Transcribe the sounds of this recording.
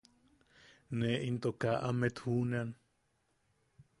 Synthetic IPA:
neʔint̪okaʔamet̪hunean

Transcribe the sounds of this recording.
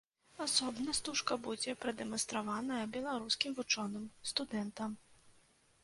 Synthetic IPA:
asɔbnɐst̪uʂkɐbud͡zʲɛpɾɐd̪ɛmɐnst̪ɾavanɐjɐbʲɛlˠaɾuskʲimvut͡ʂɔnɨmst̪ud̪ɛnt̪ɐm

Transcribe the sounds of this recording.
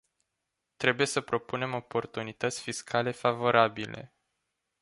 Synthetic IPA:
t̪ɾe̞buje̞səpɾo̞pune̞mo̞po̞rt̪unit̪ət̪sʲfiskʰale̞favo̞ɾabile̞̰

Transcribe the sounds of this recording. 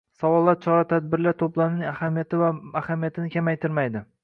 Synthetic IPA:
sawɒlˠːaɾt͡ʃʰɒɾat̪ʰad̪̚bɪɾlaɾt̪ʰoplˠaɾɪnɪŋahamijat̪ɪaahamijat̪ʰɪnɪkʲʰamajt̪ʰɪɾmajd̪ɪ

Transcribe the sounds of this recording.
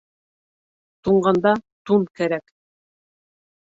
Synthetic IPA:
t̪uɴɢɑnd̪ɑt̪unkæɾæk

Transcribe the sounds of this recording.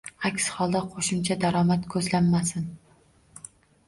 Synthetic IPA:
akʲshɒlˠd̪aqʰoʃɪmt͡ʃʰad̪aɾɒmat̪kʰɵzlamːasɪn

